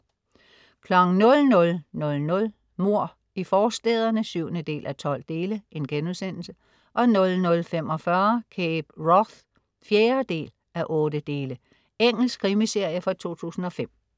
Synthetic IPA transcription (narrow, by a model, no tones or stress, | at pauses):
kʰlɒ̽ɡ̥ŋ̩nɔ̽lnɔ̽lnɔ̽lnɔ̽l | mo̝ɐ̰ | ifɒːsd̥ḛːð̞ˠɐnəsyʊnəd̥e̝̰ːlʔæt͡sʰɒ̽l̰d̥e̝ːləe̝nɡ̥enusen̰l̩sə | ʔɒ̽nɔ̽lnɔ̽lfem̰ɒ̽fɶɐkʰeːb̥ʁɒθ | fjeːɐd̥e̝̰ːl | æʔɔ̽ːd̥əd̥e̝ːlə | eŋ̰l̩skʰʁimise̝ɐ̰jəfɒt͡sʰo̝̰ːt͡sʰṵːsn̩ɒ̽fem̰